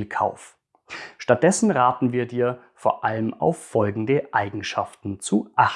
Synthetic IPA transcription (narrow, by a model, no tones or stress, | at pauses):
lkʰa̰ʊf | ʃtat̚d̥ɛsn̩ʁaːtn̩viːɐdiːɐ | foːɐʔaləma̰ʊfːɔlɡŋ̩dəʔaɪɡŋ̩ʃaftn̩t͡suʔaχ̩